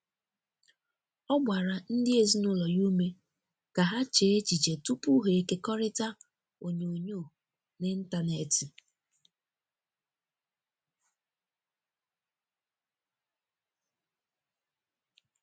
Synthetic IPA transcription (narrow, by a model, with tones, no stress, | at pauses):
ɔ˦ɡ͡bʷa˨ɾa˨n̩˦dɪ˦e˨zi˦nʊ˦lɔ˨ju˦me˦ | ka˨ɦa˦t͡ʃe˨˦e˦t͡ʃi˨t͡ʃe˨tu˦pu˦ɦe˨e˦ke˦kɔ˦ɾɪ˦ta˦ | o˨ɲo˨ɲo˦˨ | nɪ˦n̩˦ta˦˨ne˨ti˨